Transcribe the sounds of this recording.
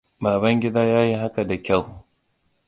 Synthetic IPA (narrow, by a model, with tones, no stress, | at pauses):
baː˨bɐ˦ŋɡʲɪ˦daː˦jaː˦ji˦ɦa˦ka˨da˨kʲa˦˨w